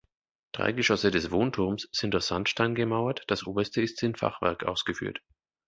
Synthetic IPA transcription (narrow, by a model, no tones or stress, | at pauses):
d̥ʁa̰ɪɡəʃɔsədɛsv̥oːntʰʊɐmsz̥ɪntd̥ʊɐçz̥antʃtaɪnɡəmaʊɐtd̥asʔoːbɐstəɪstsɪnfa̰χv̥ɛ̰ɐkʔa̰ʊsɡ̥əfy̰ːɐt